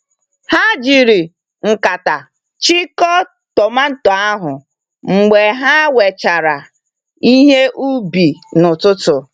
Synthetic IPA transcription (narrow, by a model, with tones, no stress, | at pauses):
ha˦d͡ʒi˨ɾi˨ | ŋ̩˨ka˨ta˨ | t͡ʃi˦kɔ˦ | tɔ˨ma˦n̩˦tɔ˨a˦ɦʊ˨ | ŋ͡m̩˨ɡ͡be˨ɦa˦we˨t͡ʃa˨ɾa˨ | i˦ɦe˦ʔu˦bi˨nʊ˨tʊ˦tʊ˨